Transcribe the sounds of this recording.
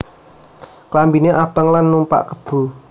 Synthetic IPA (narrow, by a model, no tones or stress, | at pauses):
klambineʔabəŋlanːumpa̰ʔkəb̥ṳ